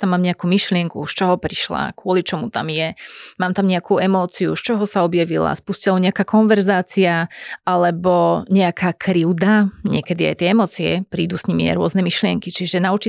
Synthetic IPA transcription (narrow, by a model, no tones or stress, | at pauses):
t̪amːaːmɲɛakumiʃlɪɛŋkuʃt͡ʃɔɦɔpɾiʃla̰kʊɔlit͡ʃɔmut̪amjɛmaːmt̪amɲɛakuɛmɔːt͡sijṵʃt͡ʃɔɦɔsaɔbjaʋila̰spuscilaɔɲɛakaːkɔnʋɛɾzaːt͡siaalɛbɔɲɛakʰaːkʰɾiʊd̪aɲɪɛkɛd̪ia̰jt̪ɛɛmɔːt͡siɛ̰pɾiːd̪usɲimia̰jɾʊɔznɛmiʃlɪɛŋkit͡ʃiʒɛnaut͡ʃi